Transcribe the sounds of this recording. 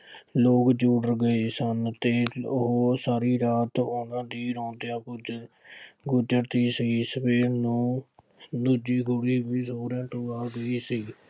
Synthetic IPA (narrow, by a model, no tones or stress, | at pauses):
loːkd͡ʒuːɽəɾɡəeːsənt̪eːʊɦoːsaːɾiːɾaːt̪ʊnãːd̪iːɾɔ̃ːnd̪ejãːɡ | ɡʊd͡ʒəɾt̪iːsiːsəbeːɾnũː | d̪uːd͡ʒiːɡʱʊɽiːbiːsoːɾãːt̪õːaːɡəiːsiː